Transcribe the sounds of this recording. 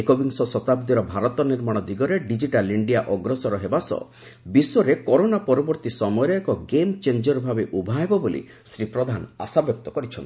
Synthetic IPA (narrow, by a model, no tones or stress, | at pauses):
ekobiŋsɔsɔt̪ab̚d̪iɾɔbʱaɾɔt̪ɔniɾmaɽ̃ɔd̪iɡɔɾeɖid͡ʒiʈaliɳɖijaʔɔɡɾɔsɔɾɔɦebasɔ̰ | biswɔɾekɔɾonapɔɾɔbɔɾt̪isɔmɔjɔɾɔekɔɡemt͡ʃeɲd͡ʒɔɾɔbʱabeʔubʱaɦebɔbolḭ | sɾipɾɔd̪ʱana̰sabjɔk̚t̪ɔkɔɾit͡ʃʰɔ̰nt̪i